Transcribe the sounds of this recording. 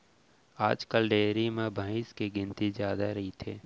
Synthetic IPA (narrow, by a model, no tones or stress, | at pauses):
aːd͡ʒkəlɖeːɾimẽbʱãːɪ̃skiɡɪ̃nt̪izjaːd̪aɾɐɦit̪ʰḛː